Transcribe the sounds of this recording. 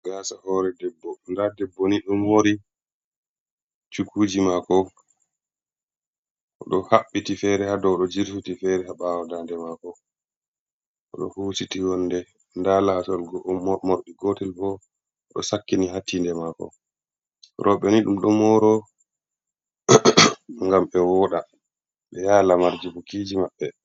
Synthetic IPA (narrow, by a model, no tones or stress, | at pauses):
ɡ̥asahɔɾɛdɛbːɔndadɛbːɔniɗɔmoɾi | t͡ʃukuːd͡ʒimakɔ | ʔɔɗɔhaɓːitifɛɾɛhadɔɗɔd͡ʒiɾtutifɛɾɛhaɓaːwɔdandɛmakɔ | ʔɔ̰ɗɔ̰huːsitiwɔnːdɛ | ndalatɔlɡmoɾɗiɡotilbɔ | ɗɔ̰sakːiniɦatʰːindɛmaːkɔ̰ | ɾʔɔɓɛniɗumɗɔmɔɾɔ | ŋɡamɓɛwɔɗa | ɓɛjaːlamaɾd͡ʒibukid͡ʒimaɓːɛ